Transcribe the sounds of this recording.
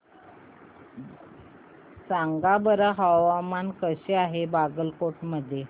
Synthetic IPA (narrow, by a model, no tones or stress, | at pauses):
t͡saŋɡabəɾaɦaʋamankəɕeaɦebaɡəlkoʈməd̪ʱje